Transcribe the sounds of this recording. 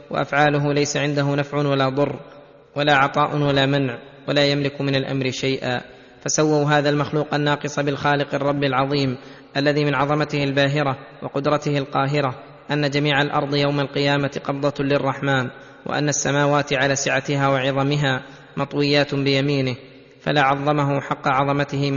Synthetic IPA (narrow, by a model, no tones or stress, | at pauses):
wa̰ʔa̰fʕaːlʊɦʊlajsaʕɪnd̪aɦʊnafʕʊwalaːd̪ˤʊrː | walaːʕɑt̪ˤɑːʔʊwalaːmanʕ | walaːjamlɪkmɪnalʔa̰mɾɪʃajʔa̰ː | fasawːawɦaːðalmaxluːqʔanːɑːqɨsˤɑbɪlxaːlɪqɑrˤːɑbːɪlʕɑðˤiːm | ʔalːaðiːmɪnʕɑðˤɑmat̪ɪhalbaːɦɪɾawɑqʊd̪ɾˤɑt̪ɪhalqɑːɦɪɾa | ʔanːad͡ʒamiːʕalʔɑ̰ɾˤd̪ˤjawmalqɪjaːmat̪qɑbd̪ˤɑlɪrˤːɑħmaːn | wʔa̰ʔa̰nːasːamaːwaːt̪ɪʕalaːsɪʕat̪ɪhaːwɑʕɪðˤɑmɪɦaː | mɑt̪ˤwɪjːaːt̪bɪjamiːnɪh | fa̰laːʕɑðˤːɑmaɦʊħɑqːɑʕɑðˤɑmat̪ɪhɪ